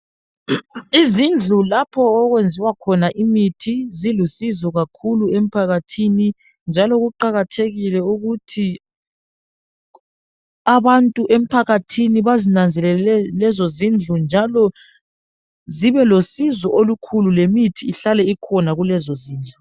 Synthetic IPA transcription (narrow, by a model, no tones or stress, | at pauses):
izind͡ɮʱulapʰɔɔɣwend͡zʱiwakʰɔnaʔimitʰizilusizɔɣakʰuluem̩pʰaɣatʰini | nd͡ʒʱalɔɣuǃaɣatʰeɣilɛuɣutʰi | aβantʼuʔem̩pʰaɣatʰiniβazinand͡zʱɛlɛlɛzɔzind͡ɮʱund͡ʒʱalɔ | ziβɛlosizɔʔolukʰululemitʰiːɬalɛikʰɔnaɣulɛzɔziːnd͡ɮʱu